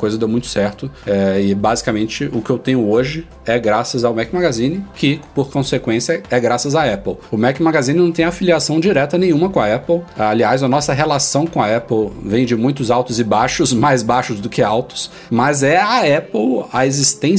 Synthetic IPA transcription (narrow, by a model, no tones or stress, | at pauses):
kojzɐd̪ewmũj̃t̪ʊ̥sɛɾt̪ʊɛɪbazikamẽnt͡ʃɪʊkɪewt̪ẽɲ̃ʊoʒɪ | ɛɡɾasɐzawmɛkmaɡazĩnɪkʰɪpoɾkõsekwẽsjɐɛɡɾasɐzaɛpwʊmɛkmaɡazĩnɪnɐ̃w̃t̪ẽafiliasɐ̃w̃d͡ʒiɾɛt̪ɐnẽj̃ũmɐkõɐɛpwaliazɐnɔsɐɦelasɐ̃w̃kõɐɛpwvẽj̃d͡ʒɪmũj̃t̪ʊzawt̪ʊzɪbaʃʊzmajzbaʃʊzd̪ʊkɪawt̪ʊ̥s | mɐzɛɐɛpwɐezist̪ẽ